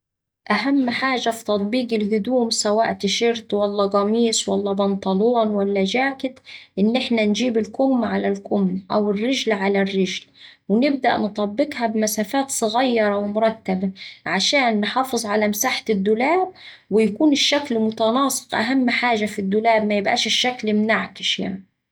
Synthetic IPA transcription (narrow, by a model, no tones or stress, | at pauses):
ʔaɦamːħaːʒafi̥t̪ɑt̪ˤbiːɡɪlhʊd̪uːmsawaːʔt̪ɪʃɪɾt̪walːɑɡɑmiːsˤwalːɑbɑnt̪ˤɑluːnwalːad͡ʒaːkɪt̪ʔɪnːʔɪħnand͡ʒiːbɪlkʊmːʕalalkʊmːʔawɪrːɪʒlʕalarːɪʒlwɪnɪb̚d̪a̰ʔnt̪ˤɑbːɪqhabmasaːfaːt̪sˤɨɣɑjːɑɾˤɑwmʊɾˤɑt̪ːabaʕaʃaːnːħɑːfɨzˤʕalamsaːħɪd̪ːʊlaːb̚ | wɪjakuːnɪʃːaklmʊt̪ɑnɑːsˤɨ̥qʔa̰ɦamːħaːʒafid̪ːʊlaːbmajɪbʔa̰ːʃɪʃːaklmnaʕkɪ̥ʃja̰ʕni